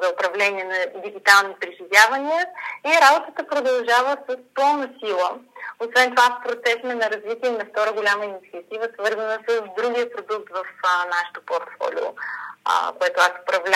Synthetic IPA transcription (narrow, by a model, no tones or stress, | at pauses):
zɐʊpɾɐvlɛniɛnɐd̪iɡit̪alˠnipɾiʒivʲjavɐniəiɾabot̪ət̪əpɾod̪ɐlˠʒavəsəspɤlˠnəsilˠəosvɛnt̪ovaspɾot̪sɛsmɛnɐɾɐzvit̪iɛnɐft̪ɔɾəɡolʲamɐinit̪siət̪ivəsvɤɾzənəsəsd̪ɾuɡiəpɾod̪uk̚t̪vɐfnaʃɛ̥t̪o̥poɾt̪fɔ̰lʲo̰ | koɛt̪ʊasʊ̥pɾɐvlʲ